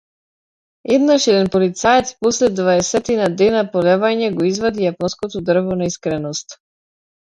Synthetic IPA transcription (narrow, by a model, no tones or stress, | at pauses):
ɛd̪naʃɛd̪ɛnpɔlit̪saɛt̪spɔslɛd̪vaɛsɛt̪inad̪ɛnapɔlɛvaɲɛɡɔizvad̪ijapɔnskɔt̪ɔd̪r̩vɔnaiskɾɛnɔst̪